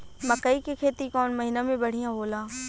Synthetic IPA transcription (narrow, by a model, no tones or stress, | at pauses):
mɐkəikekʰeːt̪ikɔːnmɐɦinamẽbɐɽ̤ijãɦoːlaː